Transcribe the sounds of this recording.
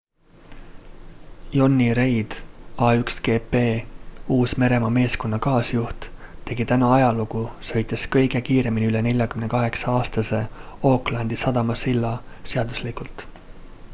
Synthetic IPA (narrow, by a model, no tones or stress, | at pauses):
jo̞nːiɾe̞jd̪̥ɑːykske̞ːpe̞ːuːsme̞ɾe̞mɑme̞ːsko̞nːɑkɑːsjuht̪t̪e̞ɡit̪ænɑɑjɑluɡ̥usɤ̞jt̪ːˑeskɤjɡe̞kiːɾe̞miniylene̞lʲjɑkymne̞kɑɦe̞ksɑɑːst̪ɑse̞o̞klɑnd̪isɑd̪̥ɑmɑsilːɑse̞ɑd̪̥uslikult̪ˑ